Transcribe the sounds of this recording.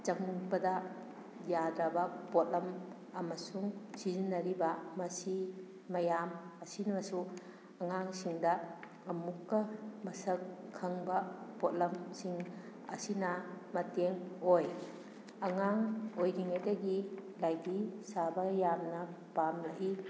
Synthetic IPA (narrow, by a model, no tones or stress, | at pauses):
t͡ʃɐŋbɐdɐ | jadɾabɐpot̚lɐm | ɐmɐsuŋsizinːɐɾibɐmɐsi | mɐjamɐsinbɐsu | ɐŋaŋsiŋdɐ | ɐmukːɐmɐsɐkʰːɐŋbɐpot̚lɐmsiŋ | ɐ̰sinɐmɐteŋoj | ɐŋaŋojɡiŋajdɐɡilajdisabɐjamnɐ | pamlɐɦi